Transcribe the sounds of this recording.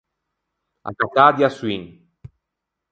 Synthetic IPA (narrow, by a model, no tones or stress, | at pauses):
a̰kat̪ad̪jasuiŋ